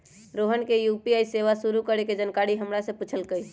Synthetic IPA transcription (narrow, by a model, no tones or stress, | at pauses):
ɾoɦənkejupiajseʋasuɾukəɾeked͡ʒənkaɽiɦəmɾasə̃put͡ʃʰəlkəj